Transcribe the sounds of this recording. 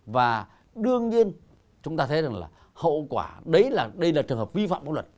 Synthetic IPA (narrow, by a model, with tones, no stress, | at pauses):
vaː˨˩ | ɗɨ˧əŋɲi˧ən | t͡ɕʊ˨˦ŋ͡mt̪aː˧t̪ʰə˨˦jza˨˩ŋla̰ː˨˩ | hə̰˧˨wkwaː˧˩ɗə˨˦jlaː˨˩ɗə˧jlaː˨˩t͡ɕɨ˨˩əŋɦəː˨˩p̚vi˧fa̰ː˧˨mɓa˨˦˥lwə˨˩t̚